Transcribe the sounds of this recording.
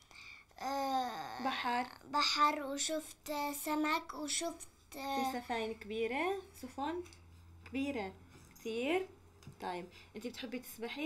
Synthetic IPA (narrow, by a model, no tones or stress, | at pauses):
baħɑɾˤbaħɑɾˤwʃʊft̪samakwʃʊft̪safaːjnkbiːɾasʊfɑn | kbiːɾakt̪ʰiːɾ | t̪ˤɑːjɪbʔɪnt̪ib̚ɪt̪ħɪbːit̪ɪ̥sbaħi